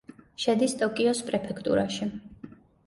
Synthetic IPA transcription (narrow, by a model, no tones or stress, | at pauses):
ʃɛd̪ist̪ʼɔkʼiɔspʼɾɛpʰɛkʰt̪ʼṵɾaʃi